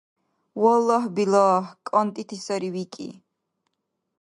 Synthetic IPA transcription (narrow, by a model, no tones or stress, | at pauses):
wɔlːɔɦbilɔːhkʼɔnt̪ʼit̪ʰisɔɾiwikʼḭ